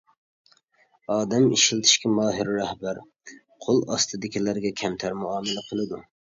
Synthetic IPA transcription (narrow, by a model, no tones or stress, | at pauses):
ɑːd̪ɛmiʃilt̪ʰɪ̥ʃkʲʰɛmɑːɦɪɾːæhbæɾ | qʰolˠɑ̰st̪ʰɨd̪ɪkʲilæɾɡʲɛkʲʰɛmt̪ʰæɾmuɑːmɨlæqʰəlˠɨd̪u